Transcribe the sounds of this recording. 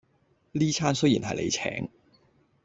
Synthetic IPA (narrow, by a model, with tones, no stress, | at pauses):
liː˥t͡sʰaː˥nsɵ˥jiː˨˩nɦɐ˨jlḛ˨˧jt͡sʰɛ̰ː˨˥ŋ